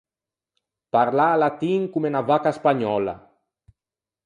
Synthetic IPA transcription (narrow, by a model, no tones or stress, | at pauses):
paɾlaːlat̪iŋkumenavakaespaɲɔla̰